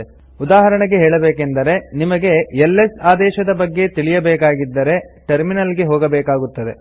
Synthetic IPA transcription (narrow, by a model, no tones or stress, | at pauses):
ud̪aːɦɐɾɐɳɐɡeɦeːɭɐbeːkend̪ɐɾe̞nimɐɡe̞elːesaːd̪ɛːʃɐd̪ɐbɐɡːe̞t̪iɭijɐbɛːkaːɡid̪ːɐɾe̞ʈɐɾminɐlɡe̞ɦoːɡɐbɛːkaːɡut̪ːɐd̪e̞